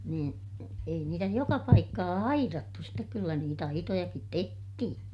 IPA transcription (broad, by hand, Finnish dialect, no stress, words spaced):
niːn ei niːtæ jokɑ pɑikːɑː ɑirɑtːu stek kylːæ niːt ɑitojɑkit tehtihin